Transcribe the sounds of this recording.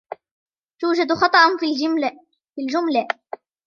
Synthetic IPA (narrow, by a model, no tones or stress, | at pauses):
t̪uːd͡ʒad̪xɑt̪ˤɑʔn | fild͡ʒʊmla